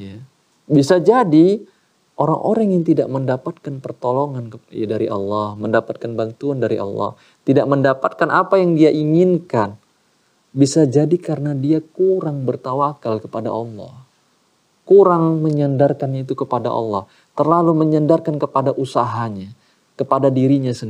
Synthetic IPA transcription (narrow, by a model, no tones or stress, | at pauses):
ja | bisad͡ʒadi | ʔoɾa̰ŋʔo̰ɾaŋjaŋt̪idaʔməndapat̪̚kanpərt̪oloŋankadaɾiʔɑ̰lːɑhməndapat̪̚kanbant̪uandaɾiʔɑ̰lːɑ̰h | t̪idaʔməndapat̪̚kanapajaŋdiaʔiŋɪnkan | bisad͡ʒadikaɾənadiakuɾaŋbərt̪awakalkəpada̰ʔɑlːɑ̰h | kuɾaŋməɲandarkanɲait̪ukəpada̰ʔɑ̰lːɑh | t̪ərlaluməɲandarkankəpadaʔusaɦaɲa | kəpadadiɾiɲasən